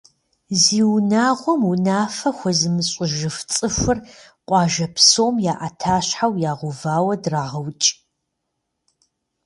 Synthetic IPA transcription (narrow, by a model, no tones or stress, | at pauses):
ziːwnaːʁʷɔmunaːfɐxʷɔzɨmɨɕʼɪʒɨft͡sʼɨfʷʊr | qʷʼɑːʒɐpsoːmjaːʔatʰaːɕħawjaːʁʷʊvaːwɐdraːʁɐwt͡ʃʼ